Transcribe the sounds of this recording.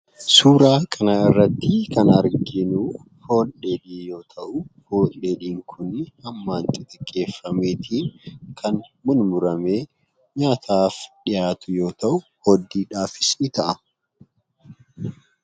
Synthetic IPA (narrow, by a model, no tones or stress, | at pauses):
suːɾaːkʰʼɐnaɪrːɐt̪ːɪkɐnɐɾɡɪnuː | fo̞ːleːᶑiːjo̞ːt̪ʰɐʔʊfoːlɗeːᶑiːŋkʰʊnːɪhɐmːaːnt͡ʃ̪ʼɪt̪ʼɛkʼːe̞ːfːɐmeːt̪ʰiːŋkʰɐnmʊnmʊɾɐmeː | ɲaːt̪ʰaːfᶑɪjaːt̪ʊjo̞ːt̪ɐʔʊhɔd̪ːiːᶑaːfɪsnɪt̪ɐʔɐ